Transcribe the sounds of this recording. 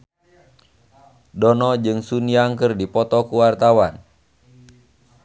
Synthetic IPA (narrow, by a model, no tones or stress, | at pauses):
dɔnɔd͡ʒɨŋsuniaŋkɨrdipɔt̪ɔkuwart̪awan